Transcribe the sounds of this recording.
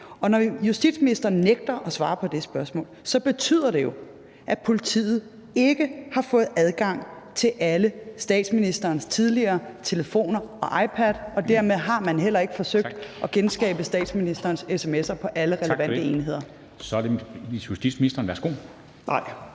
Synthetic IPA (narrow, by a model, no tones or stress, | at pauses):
ɒ̽nɒjusd̥ḭd̥sminisd̥ɐːn̩ːeɡ̥̚d̥ɐʔɒ̽sʋɑ̈ːpʰɒ̽d̥e̝sb̥ɶɐsmɔ̰̽ːlsɒ̽b̥e̝t͡sʰy̰ð̰ˠɐɾ̥e̝jo̝ | ʔæpʰo̝lit͡sʰḭːð̩ˠ | e̝ɡ̥əhɑ̈fɔ̽ːð̩ˠæð̞ˠɡ̥ɑ̈ŋ̰ | t͡sʰe̝lʔæləsd̥ɛ̰ːd̥sminisd̥ɐːnst͡sʰið̞ˠliɐːt͡sʰe̝ləfo̝̰ːnɐɒ̽ʔɑ̈ɪpʰæd̥ɒ̽d̥æɐ̰meðˠɦɑ̈mænɦel̰ɐe̝ɡ̥əfɒ̽søɡ̥d̥ʔɒ̽ɡ̥ensɡ̥ɛ̰ːb̥əsd̥ɛ̰ːd̥sminisd̥ɐːnsesemesɐpʰɒ̽ʔæləʁɛləʋæn̰d̥əe̝ːnɦe̝ð̞̰ˠɐ | sɒdeisjusd̥ḭd̥sminisd̥ɐnʋæɐsɡ̥o̝̰ | nɑɪ̰